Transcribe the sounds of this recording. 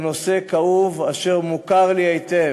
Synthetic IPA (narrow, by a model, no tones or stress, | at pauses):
no̞se̞kauvaʃe̞ʁmukaʁliajt̪e